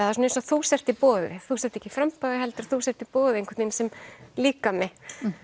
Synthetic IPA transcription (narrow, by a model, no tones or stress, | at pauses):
aðasɔnẽnsɔθusɛr̥t̪ipɔːðɪvɪθusɛr̥t̪ːɛ̥cɪfɾampaðɪɦɛlt̪ɪɾθusɛft̪ipɔːðɪẽŋkv̥ɛɾt̪neɪsɛmliːkamɛ